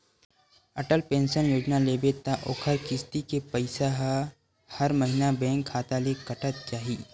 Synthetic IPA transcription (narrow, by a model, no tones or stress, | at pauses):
ɐʈəlpẽːnʃənjoːd͡ʒnaleːbet̪aʔoːkʰəɾkɪst̪ikepəɪsaɦa | hɐɾməɦɪnabɛ̃ːŋkʰːaːt̪alekɐʈət̪̚t͡ʃaːɦiː